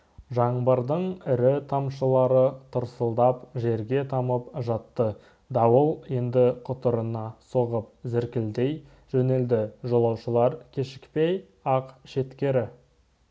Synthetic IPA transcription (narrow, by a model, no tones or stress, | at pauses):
ʒɑɴbɑɾd̪əɴɪɾɪt̪ʰɑmʃəlˠɑɾət̪ʰʊɾsəlˠd̪ɑpʒe̞ɾɡʲe̞t̪ʰɑməpʒɑt̪ːə | d̪ɑwəlˠje̞nd̪ɪqʰʊt̪əɾənɑso̞ʁəp̚zɪɾkʲɪld̪e̞j | ʒ̥ɵne̞ld̪ɪʒolˠɑwʃəlˠɑɾkʲʰe̞ʃɪ̥kpe̞j | ɑqʃe̞t̪kʲe̞ɾɪ